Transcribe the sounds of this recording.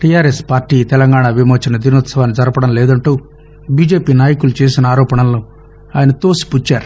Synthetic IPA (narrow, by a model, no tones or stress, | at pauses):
ʈijaːɾespaːɾʈiːt̪ɛlɐŋɡaːɳaʋimoːt͡ʃɐnɐd̪inoːt̪sɐʋaːnid͡ʒɐɾɐpɐɽɐmlɛːd̪ɐɳʈu | biːd͡ʒe̞ːpiːnaːjɐkulut͡ʃe̞ːsinɐaːɾɔːpɐɳɐmloː | aːjɐnɐt̪oːsi̥put͡ʃːaːɾu